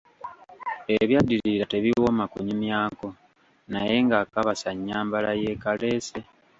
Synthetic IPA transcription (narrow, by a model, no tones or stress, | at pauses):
e̞βjadːiɾiɾate̞βiwo̞makuɲimjaːko̞ | naje̞ŋɡaːkaβasaɲːaːmbalaje̞kale̞ːse̞